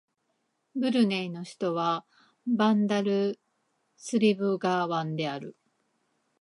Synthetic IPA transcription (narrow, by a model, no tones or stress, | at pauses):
bɯ̟ɾɯ̟neino̞çi̥t̪o̞βa | bãnd̪aɾɯ̟ | sɨɾʲibɯ̟ɡaːβãnd̪e̞aɾɯ̟